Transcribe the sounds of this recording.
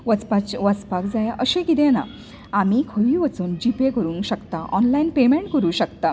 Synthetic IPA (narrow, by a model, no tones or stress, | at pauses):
ʋət͡spat͡ɕʋət͡spakd͡zajaʔəɕẽkit̪ẽna | amikʰoʋiʋət͡suːnd͡ʑipekəɾuːŋkɕəkt̪aʔɔnlainpemẽɳʈkəɾuːɕəkt̪a